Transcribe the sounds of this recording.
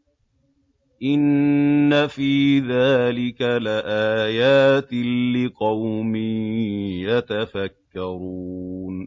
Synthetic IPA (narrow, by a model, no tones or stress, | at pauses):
ʔɪnːafiːðaːlɪkalɪʔaːjaːt̪ɪlɪqɑwmi | jat̪afakːɑɾuːn